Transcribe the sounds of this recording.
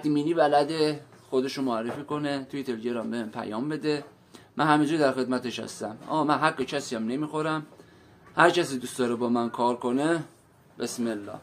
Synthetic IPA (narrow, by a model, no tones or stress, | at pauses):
væxt̪iminiːvælæd̪e | xod̪eʃomoærːefiːko̞net̪ʰujet̪ʰelɟeɾɒmbehmpʰæ̰jɒːmbe̞d̪e | mænhæmind͡ʒud̪æɾxe̞d̪mæt̪eʃhæ̰st̪æmɒ̰mænɦæɡːecʰæsiːjæmnemiːxoɾæm | hæɾcʰæsiːd̪ust̪ɒːɾebɒːmænkʰɒːɾkʰone | besmelːɒ̰ːh